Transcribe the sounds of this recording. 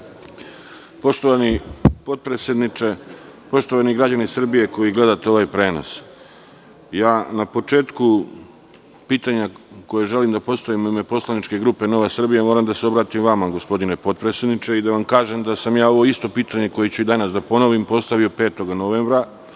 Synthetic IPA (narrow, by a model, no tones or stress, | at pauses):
po̞ʃt̪oʋanipo̞t̪̚pɾesjed̪nit͡ʃe̞po̞ʃt̪o̞ʋaniɡɾad͡ʑanisr̩bije̞ko̞jiɡle̞d̪at̪eo̞ʋaːjpɾe̞ːno̰s | jaːnapo̞t͡ʃe̞ːt̪ku | piːt̪aɲako̞jeʒe̞limd̪apo̞st̪aʋimomepo̞slˠanit͡ʃke̞ɡɾuːpe̞no̞ʋesr̩bijemo̞ːɾamd̪aseo̞bɾaːt̪imʋamaɡo̞spo̞d̪ine̞po̞t̪̚pɾesjed̪nit͡ʃe̞id̪aʋamkaːʒemd̪asamjaːo̞ʋo̞ist̪o̞piːt̪aɲe̞ko̞jet͡ɕuid̪anasd̪apo̞no̞ʋimpo̞st̪aʋio̞pe̞ːt̪o̞ɡno̞ʋeːmbɾa